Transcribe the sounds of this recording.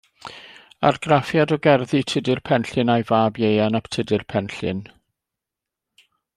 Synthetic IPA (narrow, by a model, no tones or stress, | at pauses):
a̰rɡ̥rafjadɔɡɛrðɨtʰədɨrpʰɛnɬɨnajvaːbjejanaptʰədɨrpʰɛnɬɨ̰n